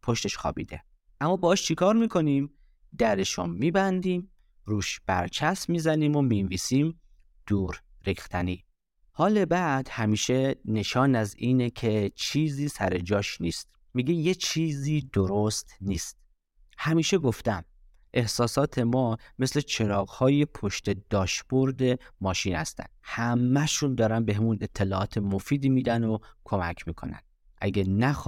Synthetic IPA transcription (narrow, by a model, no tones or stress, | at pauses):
pʰo̞ʃt̪e̞ʃxɒ̰ːbḭːd̪e̞̰ | ʔæmːɒːbeːʃt͡ʃʰikʰɒːɾmiːkʰo̞niːm | d̪æɾeʃo̰nmiːbænd̪iːm | ɾuːʃb̥æ̰ɾt͡ʃʰæsmiːzæniːmo̞minviːsiːm | d̪̥uːɾ | ɾiːxt̪ʰæniː | hɒːle̞bæd̪̥hæmiːʃe̞ne̞ʃɒːnæziːnekʰe̞t͡ʃʰiːziːsæ̰ɾe̞d͡ʒɒːʃnḭːst̪̚ | miːɡe̞jet͡ʃʰiːziːd̪oɾo̞st̪niːst̪̚ | hæmiːʃe̞ɡo̞ft̪æm | ʔe̞hsɒːsɒːt̪ʰe̞mɒːme̞sle̞t͡ʃʰe̞nɒːɣhɒːje̞pʰoʃt̪e̞d̪ɒːʃb̥oɾd̪e̞mɒːʃiːnhæ̰st̪æ̰nd̪̥hæmːæʃund̪ɒːɾænbeɦemune̞t̪ʰːe̞lɒːʔɒːt̪ʰe̞mofiːd̪iːmiːd̪ænokʰomæ̰kʰmiːkʰo̞̰næ̰n | ʔæ̰ɡenæx